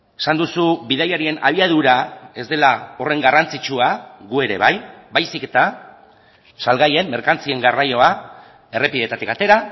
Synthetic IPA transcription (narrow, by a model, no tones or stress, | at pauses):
esand̪usuβiðajaɾie̞na̰β̞iað̞uɾae̞zd̪e̞lao̞re̞ŋɡarant͡sit͡ʃuaɣue̞ɾe̞̰β̞ajbajsike̞t̪a | salɣaje̞mːe̞ɾkant͡sie̞ŋɡarajo̞a | e̞re̞piðe̞t̪at̪ikat̪e̞ɾa